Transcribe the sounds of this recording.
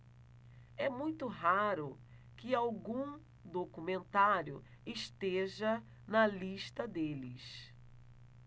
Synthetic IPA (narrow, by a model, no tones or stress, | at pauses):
ɛmũj̃t̪ʊɦaɾʊ | kɪawɡũ | d̪okumẽnt̪aɾjʊ̰ | ɪʃt̪eʒɐ | nɐliʃt̪ɐd̪elɪs